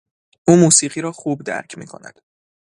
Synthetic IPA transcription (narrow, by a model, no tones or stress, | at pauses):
ʔuːmuːsiːɢiːɾɒːxuːbd̪æ̰ɾcʰmḭːkʰo̞̰næ̰d̪̥